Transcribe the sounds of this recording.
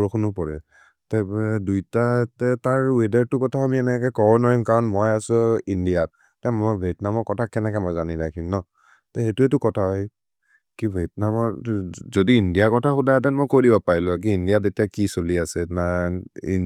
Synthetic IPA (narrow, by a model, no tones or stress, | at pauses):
ɔɹɔkʰunʊpɔɹɛ | tajɛdujtatɛtaɹwedaɹtʊkɔtʰaamiɛnɛkɛkɔɹɔnɔɹimkaɹɔnmɔjasʊindiat̚ | tɛmɔbʱetnamɔɹkɔtʰakːɛnɛkɛmɔjzaninajkʰinnɔ | tɛxetuɛtʊkɔtʰaɦɔj | kibʱet̚namɔɹzodiindijakɔtʰaxudajat̬ɛnmojkodibapaɹilʊak̬iindijazetijakisoliasɛnaḭ